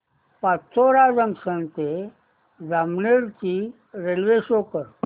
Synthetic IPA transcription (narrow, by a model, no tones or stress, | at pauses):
pat͡sʰːoɾad͡zəmsənt̪e | d͡zamneɾt͡ɕi | ɾelʋeɕokəɾ